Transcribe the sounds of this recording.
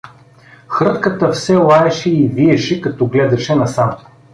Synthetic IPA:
xɾɤt̪kət̪əfsɛlˠaɛʃɛiviɛʃɛkɐt̪ɔɡlɛd̪ɐʃɛnɐsam

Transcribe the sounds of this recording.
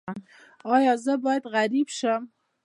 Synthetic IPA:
ɑjɑzəbɑjad̪ɣaɾibʃəm

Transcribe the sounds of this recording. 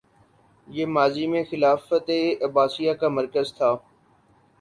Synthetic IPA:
jeːmaːziːmẽxɪlaːfət̪eːəbaːsijaːkaːməɾkəzt̪ʰaː

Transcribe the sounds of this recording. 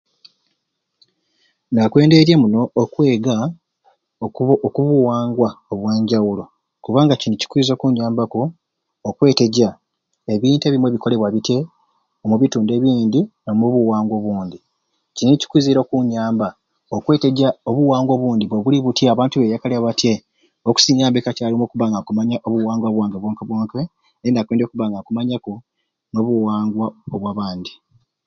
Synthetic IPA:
nakwe̞ːndeɾjemuno̞ːkwe̞ːɡa | kuβuwaːŋɡwaoβwe̞ːɲɟawulo̞ | kuβaːŋɡacinici̥kwiːzo̞ːkuɲaːmbakoː | kwe̞ːte̞ɟa | e̞βiːnte̞βimwe̞βiko̞le̞βwaβite̞ | omuβituːnde̞βiːnd̪iomuβuwaːŋɡwo̞βuːnd̪i | cinici̥kwiziɾo̞kuɲaːmba | okwe̞ːte̞ɟaoβuwaːŋɡwo̞ːβuːnd̪iβweβuliβutjeaβaːntuβe̞jakaliaβatje̞ | oku̥siɲaːmbekacalimokuβaŋɡakumaɲaʔoβuwaːŋɡwaβwaːŋɡaβwoːŋkaβwoːŋke | einakweːndekuβaŋɡakumaɲako | noβuwaːŋɡwaoβwaβaːnd̪i

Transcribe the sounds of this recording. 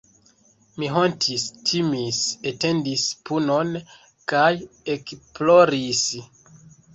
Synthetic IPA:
miɦontʰistʰimisete̞ndispuno̞n | kaje̞kplo̞ɾis

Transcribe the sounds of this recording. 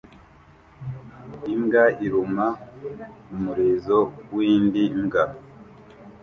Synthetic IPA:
iŋɡaiɾuma | umuɾeːzowiːndiŋɡa

